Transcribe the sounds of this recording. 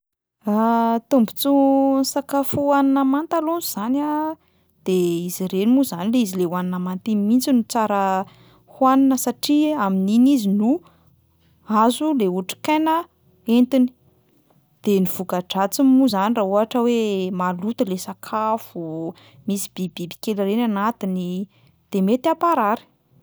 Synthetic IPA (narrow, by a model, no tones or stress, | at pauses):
at̪umbu̥t͡sunisakafuaninamant̪alunuz̥ana | d̪̥eiziɾenimuzanileizilewaninamant̪imint͡sinut͡saɾə | hwaninəsaʈ͡ʂiamininizinu | azuleuʈ͡ʂi̥kanə | ent̪ini̥ | d̪̥eniv̥ukaɖ͡ʐat͡simuzanirauɦaʈ͡ʂəwemalut̪ilesakʰafu | misi̥b̥ibibi̥kelirenanat̪ini | d̪̥emet̪apaɾaɾi̥